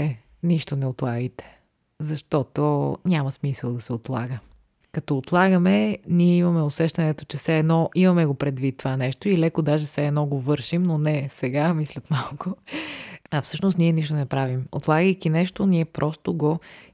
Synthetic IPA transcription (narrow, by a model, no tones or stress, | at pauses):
ɛ | niʃt̪onɛot̪lˠaɡəjt̪ɛ̥ | zɐʃt̪ɔt̪onʲamɐsmisəlˠd̪ɐsɛot̪lˠa̰ɡə | kɐt̪ɔːt̪lˠaɡəmɛniɛimɐmɛosɛʃt̪ɐnɛt̪ot͡ʃɛfsɛːd̪nɔimɐmɛɡopɾɛd̪vit̪ːovanɛʃt̪oilɛkod̪aʒɛsɛːd̪nɔɡovɤɾʃimnonɛsɛɡamislʲɐt̪malˠko | ɐfsɤʃnost̪niɛniʃ̬t̪onɛpɾavimo̰t̪lˠaɡəjkinɛʃt̪oniɛpɾʔɔst̪oɡo